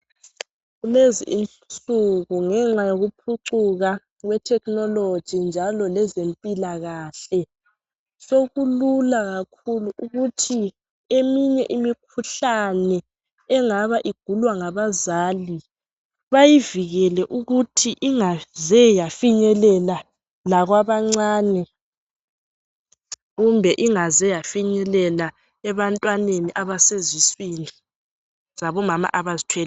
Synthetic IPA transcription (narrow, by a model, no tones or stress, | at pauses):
ɣulezḭʔin | t͡suɣuŋɛŋ͡ǁajoɣupʰuǀuɣa | ɣwɛtʰɛknɔlod̥d͡ʒ̥ʒ̥ʱind͡ʒʱalɔlɛzempʼilaɣaːɬɛ | soɣululaɣakʰuluʔuɣutʰi | emiɲɛʔimik̚ʰuɬanɛ | ɛŋaβaʔiɡ̥ʱulwaŋaβazaːli | βajiviɣɛlɛʔuɣutʰiʔiŋazɛjafiɲɛlɛla | laɣwaβaŋ͡ǀaːnɛ | ɣumbʱɛʔiŋazɛjafiɲɛlɛla | ɛβantʼwaneniʔaβaseziswini | z̥aβɔmama̰ʔaβazitʰwɛːl